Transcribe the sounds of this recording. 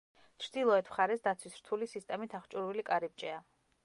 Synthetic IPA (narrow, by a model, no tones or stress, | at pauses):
t͡ʃʰɾd̪ilˠɔɛt̪ʰmχaɾɛsd̪at̪sʰwisɾ̥t̪ʰulisist̪ʼɛmit̪ʰaχt͡ʃʼuɾvilikʼaɾip̚t͡ʃʼɛa